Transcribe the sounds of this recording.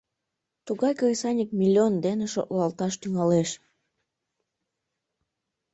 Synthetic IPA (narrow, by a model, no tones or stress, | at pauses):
t̪uɣɑjkoɾisɑnʲik̚mʲilʲːiond̪eneʃo̰t̪lɑlt̪ɑʃt̪yŋɑleʃ